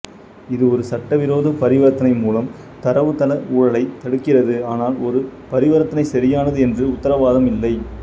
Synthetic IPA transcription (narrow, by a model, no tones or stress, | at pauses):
ɪðɯɔɾɯsɐʈːɐʋɪɾoːðɐpɐɾɪʋɐɾɐt̪ːɐnɐɪmuːlɐm | t̪ɐɾɐʋɯt̪ːɐlɐuːɻɐlɐɪt̪ːɐɽɯkːɪrɐðɯaːnaːlɔɾɯpɐɾɪʋɐɾɐt̪ːɐnɐɪsɐɾɪjaːnɐðɯɛndrɯʊt̪ːɐɾɐʋaːðɐmɪlːɐɪ